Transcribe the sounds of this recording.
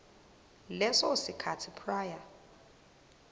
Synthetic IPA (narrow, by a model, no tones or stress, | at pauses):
lɛsɔsikʰatʰipʰraːja